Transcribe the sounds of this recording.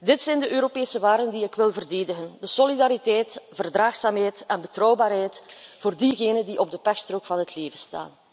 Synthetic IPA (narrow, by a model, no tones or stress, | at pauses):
dɪtsɛjndəʔøːɾopeːsəʋaːrdəndiɪkʋɪlˠvərdeːdəɣəndəsɔlidaːɾitɛːtv̥ərdraːxsaːmɦɛjtɛnbətrɔwbaːrɦɛjtv̥oːrdiɣeːnəndiʔɔb̚dəpɛxstrokfɑnɦətleːvəsta̰ːn